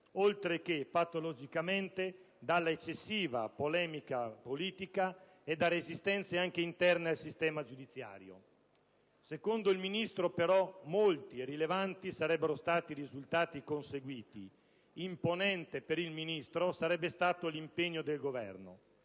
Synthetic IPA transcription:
olt̪ɾek̟epat̪ːolod͡ʒikament̪e | d̪alːaet͡ʃːesːiːva̰polɛːmikapoliːt̪ika | ed̪ːaɾezist̪ɛnt̪seaŋk̟eint̪ɛrnealsist̪ɛːmad͡ʒud̪it̪sːja̰ːɾjo̰ | sekond̪oilminist̪ɾopeɾɔmolt̪irilevant̪isaɾɛbːeɾost̪aːt̪irizult̪aːt̪ikonseɡwiːt̪i | imponɛnt̪epeɾilminist̪ɾosaɾɛbːest̪aːt̪olimpeɲːod̪elɡovɛ̰rno̰

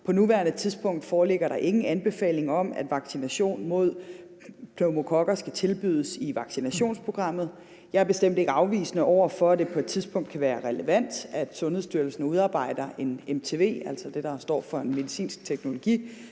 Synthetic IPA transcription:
pʰɒ̽nuʋæːɐnət͡sʰiðˠsb̥ɔ̽ŋ̰d̥fɒːle̝ɡ̥ɐɾɑ̈ʔe̝ŋn̩ænb̥e̝fɛ̰ːle̝ŋɒ̽m̰æ̰d̥ʋɑ̈ɡ̥sinæɕo̝̰ːnmo̝ð̞̰ˠ | pʰnoʊmo̝kʰɒ̽ɡ̥ɐsɡ̥æt͡sʰe̝lb̥yð̰ˠəsiʋɑ̈ɡ̥sinæɕo̝̰ːnspʰʁo̝ɡ̥ʁɑ̈m̰ð̞̩ˠ | jɑ̈ɪɐb̥e̝sd̥em̰d̥e̝ɡ̥əɑ̈ʊʋḭːsnəʔɒʊ̰ɐfɒ̽æd̥e̝pʰɒ̽e̝d̥̚t͡sʰiðˠsb̥ʰɔ̽ŋ̰d̥kʰæʋæːɐʁɛləʋæn̰d̥æd̥sɔ̽nheðˠsd̥yɐl̩sənəuð̞ˠɑ̈ːb̥ɑ̈ɪ̰d̥ɐʔe̝nemt͡sʰe̝ːʋe̝̰ːæl̰sɐd̥e̝d̥ɑ̈sd̥ɒ̰ːfɒ̽enme̝ðisḭːnsɡ̥̚t͡sʰeɡ̥no̝lo̝ɡ̥ḭː

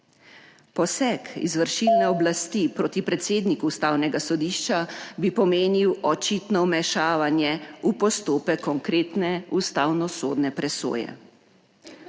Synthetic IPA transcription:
pɔsɛkḭzʋəɾʃilnɛɔblast̪ipɾoːt̪ipɾɛt̪seːd̪nikuːst̪aːwnɛɡasɔd̪iːʃt͡ʃabipɔmeːniwɔt͡ʃit̪nɔmɛʃaːʋanjɛupɔst̪oːpɛkʰːɔŋkɾeːt̪nɛust̪awnɔsoːd̪nɛpɾɛso̰ːjɛ̰

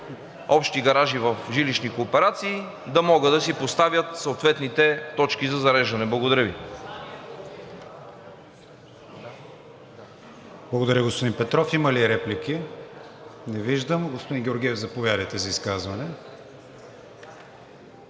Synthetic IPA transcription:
ɔpʃt̪iɡɐɾaʒivəfʒiliʃnikoːpɛɾat̪siː | d̪ɐmɔɡəd̪ɐsipost̪avjət̪səot̪vɛt̪nit̪ɛt̪ɔt͡ʃkizɐzɐɾɛʒɐnɛblˠɐɡod̪ɐɾəvḭ | blˠɐɡod̪ɐɾʲjəɡospod̪inpɛt̪ɾɔfimɐliɾɛpliki | nɛviʒd̪əmɡospoʊd̪inɡʲɛoɾɡʲiɛvzɐpovjaɾəjt̪ɛzɐiskazvɐnɛ

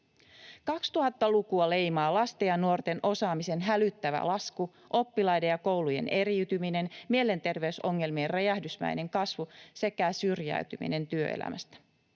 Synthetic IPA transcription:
kɑkst̪uhɑt̪ːɑlukuɑle̞jmɑːlɑst̪ejɑnːuo̞rt̪e̞nʔo̞sɑːmise̞nɦælyt̪ːæʋæ̰lɑsku | ʔo̞pːilɑjdejɑko̞wluje̞̰ne̞ɾiyt̪ymine̞nmiele̞nt̪e̞rʋe̞yso̞ŋːe̞lmierrejæhdysmæ̰jne̞ŋkɑsʋuse̞kæsyrjæ̰yt̪ymḭne̞nt̪yø̰ḛlæ̰mæst̪æ̥

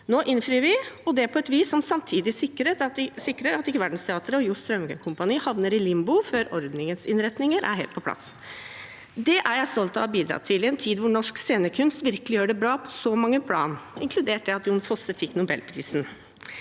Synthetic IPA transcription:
noːʔɪnfɾyːəɾʋɪɔd̪ɛpʰɔɛt̪ʋiːsːɔmsɑmt̪ʰiːd̪ɪsɪkːəɾeːt̪ɑt̪̚ɪsɪkːɾəɾɑt̪ɪkːəʋæɖn̩st̪ʰɛɑːt̪əɾəɔjust̪ɾœmɡəkʰʊmpɑniːhɑʋnəɾɪlɪmbʊføːɾɔɾd̪nɪŋənsɪ̰nɾɛt̪nɪŋəɾʔæ̰ɾɦḛlt̪̚pʰɔpʰlɑ̰s | d̪ɛʔæɾjæɪst̪ɔlt̪ɑɑbiːd̪ɾɑ̰ːt̪ʰɪlɛnt̪ʰiːd̪ʋʊɳɔʂkseːnəkʰʉnst̪ʋɪɾkəlɪjøːɖɛbɾɑːpʰɔ̥sɔmɑŋːəpʰlɑ̰ːnɪŋkʰlʉd̪eːʈ̚d̪ɛɑt̪jʊːnfɔsəfɪkːnʊbɛ̰lpʰɾḭːsn̩

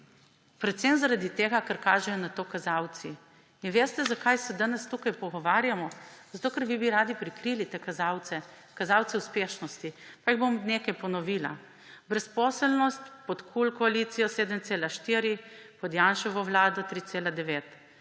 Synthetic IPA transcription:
pɾɛt̪sɛmzaɾad̪it̪eːɡakaɾkaːʒɛjɔnat̪oːkazawt̪si | inʋeːst̪ɛzakajsɛd̪anɛst̪ukajpɔɡɔʋaːɾjamɔzat̪oːkaɾʋibiɾaːd̪ipɾikɾilit̪eːkazawt̪sɛ | kazaːwt̪sɛuspeːʃnɔst̪ipaiɣbomneːkajpɔnɔʋiːla̰ | bɾɛspɔːsəlnɔst̪pɔt̪kʰulkɔaliːt̪sijɔseːd̪əmt̪seːlaʃt̪iːɾipɔd̪janʃɔʋɔʋlaːd̪ɔt̪ɾiːt̪seːlad̪ɛʋeːt̪

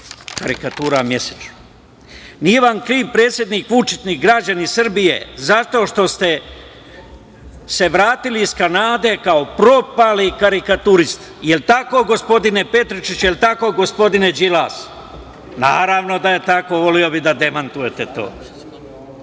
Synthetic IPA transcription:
kaɾikat̪uːɾamje̞set͡ʃu̥ | nije̞ʋamkɾiːʋpɾe̞ːt̪sje̞d̪nikʋut͡ʃit̪nikɡɾad͡ʑanisr̩bijḛzat̪o̞ːʃt̪o̞st̪e̞ | se̞ʋɾaːt̪iliːskanaːd̪e̞kaopɾo̞palikaɾikat̪uɾist̪ | jelt̪ako̞ɡo̞spo̞d̪ine̞pe̞t̪ɾit͡ʃit͡ɕjelt̪ako̞ɡo̞spo̞d̪ine̞d͡ʒilaːs | na̰ːɾaʋno̞d̪aje̞t̪ako̞ʋo̞lio̞bid̪ad̪emant̪uje̞t̪et̪o̞̰ː

